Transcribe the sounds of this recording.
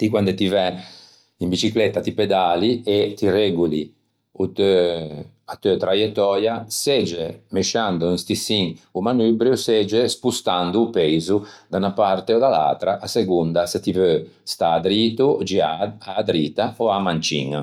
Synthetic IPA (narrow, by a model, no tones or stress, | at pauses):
t̪ikwand̪et̪ivɛ | imbit͡ʃiklɛt̪ːat̪iped̪aliet̪irɛɡuli | ut̪ø | at̪øt̪ɾajɛt̪ːɔːɾjased͡ʒemeʃand̪uĩst̪isiŋumanyːbɾjused͡ʒespust̪and̪uːpɛjzud̪aunapart̪eɔd̪ala̰t̪ɾaʔaseɡund̪aset̪ivø | st̪aːd̪ɾiːt̪ud͡ʒiaad̪ɾiːt̪aoamant͡ʃḭŋ̰